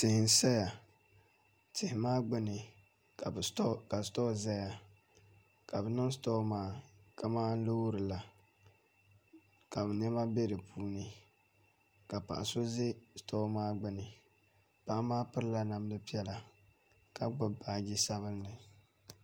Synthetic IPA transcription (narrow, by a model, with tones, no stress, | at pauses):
tɪ˨hɪ˨n˦sa˦ja˨ | tɪ˨hɪ˨maː˦ɡ͡bɪ˦nɨ˨˦ | ka˨stɔ˦˨za˦ja˨ | ka˨bɨ˨nɨ˦ŋsto˦maː˦ka˦˨maː˦n˦lo˦ɾɨ˨la˨ | ka˨bɛ˨nɛ˦ma˦be˦dɨ˨pʰuː˦nɨ˦ | ka˨pa̰˨ʔa˨so˦ze˦sto˦maː˦ɡ͡bɪ˦nɨ˨ | pa˨ʔa˦maː˦pɨ˦ɾla˦na˨m˦dɨ˦pi˦ɛ˦la˨ | ka˨ɡ͡bʊ˦baː˨ɡi˦sa˦βɨ˦lnɨ˨